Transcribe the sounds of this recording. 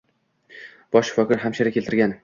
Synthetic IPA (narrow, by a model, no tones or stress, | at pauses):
b̥ɒʃfɒkɪɾɦamʃaɾakʲʰe̞lt̪ʰɪɾɡʲan